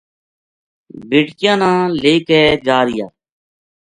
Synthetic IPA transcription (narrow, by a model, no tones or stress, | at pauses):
beːʈkɪjãːnãːleːkɛːd͡ʒaːɾɪjaː